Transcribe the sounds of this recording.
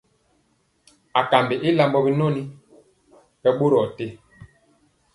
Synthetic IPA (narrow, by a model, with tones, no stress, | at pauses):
a˨ka˨mbe˨ʔi˦la˦mbɔ˦bi˦no˦ni˦ | bɛ˦ɓo˦ɾɔ˨te˦